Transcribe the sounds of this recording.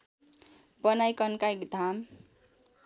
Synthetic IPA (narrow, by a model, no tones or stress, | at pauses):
bʌnajkʌnkaekd̪ʱam